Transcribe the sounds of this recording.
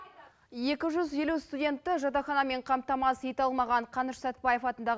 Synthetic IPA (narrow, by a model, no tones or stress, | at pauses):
je̞kʲɪʒʏzje̞lust̪udʲe̞nt̪ːɪʒɑt̪ɑχɑnɑme̞ɴqʰɑmt̪ɑmɑsit̪ɑlˠmɑʁɑɴqʰɑnəʃsæt̪̚bɑje̞fɑt̪ənd̪ɑʁ